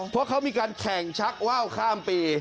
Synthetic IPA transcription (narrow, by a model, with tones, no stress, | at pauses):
pʰɔ˦˥ɐkʰa˦˥wmiː˧kaː˧nkʰɛ˨˩ŋt͡ɕʰa˦˥k̚waː˥˩wkʰaː˥˩mpiː˧